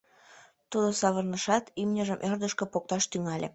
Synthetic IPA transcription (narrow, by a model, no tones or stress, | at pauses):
t̪ud̪osɑβərnəʃɑt̪imnʲə̆ʒəmʔørd̪əʃkɤ̆pok̚t̪ɑʃt̪yŋɑlʲe